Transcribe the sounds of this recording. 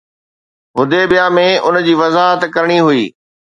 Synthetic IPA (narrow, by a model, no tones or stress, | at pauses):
ɦʊd̪ʱebɪjamẽʊnd͡ʑiːʋɐzaːɦət̪kɐɾɪɽ̃iɦuiː